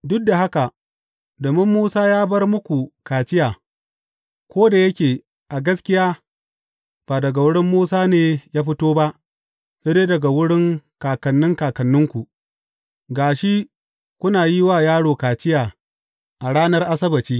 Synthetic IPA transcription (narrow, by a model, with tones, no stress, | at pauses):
dʊ˦k̚da˨ɦa˦ka˨ | doː˨mɪ˦mːuː˦saː˦jaː˦bɐ˦rmʊ˦kʷu˨kaː˨t͡ʃɪ˦jaː˨ | kʷoː˦da˨jɐ˦kʲeː˨ | ʔa˨ɡɐ˦skʲɪ˦jaː˦ | b̥aː˨dɐ˨ɡa˨wʊ˦ɽɪ˦mːuː˦saː˦neː˨jaː˦ɸɪ˦toː˦ba˦ʔ | seː˦deː˦dɐ˨ɡa˨wʊ˦ɽɪ˦ŋkaː˨kɐ˨nːɪ˦ŋkaː˨kɐ˨nːʊ˦ŋkʷu˨ | ɡaː˨ʃi˦ | kʷʊ˦naː˨ji˦waː˦˨jaː˦ɽoː˨kaː˨t͡ʃɪ˦jaː˨ | ʔa˨ɽaː˦nɐ˦rʔa˦sɐ˦bɐ˨t͡ʃiː˦